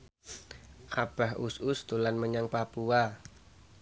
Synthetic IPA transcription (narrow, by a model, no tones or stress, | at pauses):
ʔab̥ahʔusʊst̪ulanməɲaŋpapua